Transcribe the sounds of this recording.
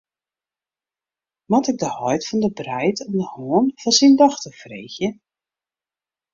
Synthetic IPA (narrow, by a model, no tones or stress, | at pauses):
mɔtɪɡ̚dəhɔjtfɔndəbrɛjtʰɔmdəhoːənfɔnsindɔxtəfrḛːxjə